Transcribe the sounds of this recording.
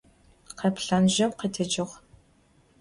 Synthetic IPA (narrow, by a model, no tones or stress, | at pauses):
qɐpɬɐnʒɐmqətʰɐd͡ʒɪʁ